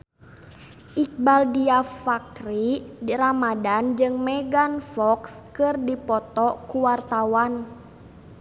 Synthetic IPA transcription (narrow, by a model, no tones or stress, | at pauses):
ʔik̚baldiafak̚ɾiramadand͡ʒɨŋmɛɡanfɔkskɨrdipɔt̪ɔkuwart̪awan